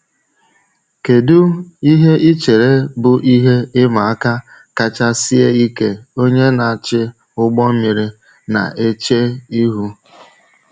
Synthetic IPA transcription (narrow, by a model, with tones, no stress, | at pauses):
ke˨du˦i˦ɦe˦ʔi˦t͡ʃe˨ɾe˦bʊ˨ʔi˦ɦe˦ɪ˦ma˨a˦ka˦ | ka˦t͡ʃa˦si˦e˦i˦ke˦o˦ɲe˦na˨t͡ʃɪ˦ | ʊ˦ɡ͡bɔ˦mi˨ɾɪ˨ | na̰˨ʔe˦t͡ʃe˦i˦ɦu˦